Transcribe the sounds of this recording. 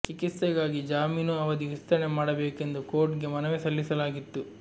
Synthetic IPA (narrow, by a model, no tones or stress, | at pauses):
t͡ʃikit̪sɐɡaːɡid͡ʒaːmiːnuɐʋɐd̪iʋist̪ɐɾɐɳemaːɽɐbeːke̞nd̪uko̞ːɾʈɡe̞mɐnɐʋesɐlːisɐlaːɡit̪ːu